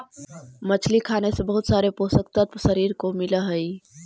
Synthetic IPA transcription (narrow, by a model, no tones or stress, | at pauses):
mət͡ʃʰlikʰanesẽbəɦut̪saɾeposəkt̪ət̪səɾiɾkomiləɦəi